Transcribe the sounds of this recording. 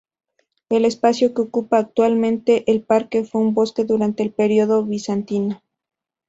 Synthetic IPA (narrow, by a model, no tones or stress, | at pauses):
e̞le̞spasjo̞keo̞kupaːk̚t̪walmẽnt̪e̞ʔelpaɾke̞fweumbo̞ske̞ðuɾant̪e̞ːlpe̞ɾio̞ðo̞βisant̪ina